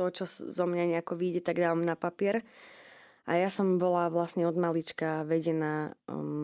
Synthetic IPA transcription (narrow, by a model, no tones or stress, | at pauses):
t̪ɔt͡ʃɔzɔmɲaɲɛakɔʋiːɟɛt̪aɡd̪aːʋamnapapɪɛɾ | ʔa̰jasɔmbɔlaʋlasɲɛɔd̪malit͡ʃkaʋɛɟɛnaː